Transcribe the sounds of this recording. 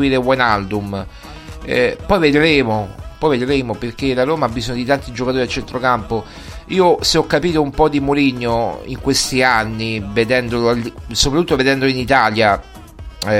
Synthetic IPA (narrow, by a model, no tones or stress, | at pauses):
iːɾewɛnalbum | ɛ̰pɔjved̪ɾeːmopɔjved̪ɾeːmoperk̟elaɾoːmaabːizoɲːod̪it̪ant̪id͡ʒokat̪oːɾialt͡ʃɛnt̪ɾokampo | iːoseɔkːapiːt̪oumpɔd̪imoɾiɲːoḭŋkwest̪ianːived̪ɛnd̪olsopɾat̪ːut̪ːoved̪ɛnd̪oinit̪aːlja